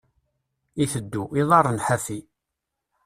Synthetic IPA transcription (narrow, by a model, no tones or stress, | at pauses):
iθəd̪ːuʔiðˤɑrˤːənħafi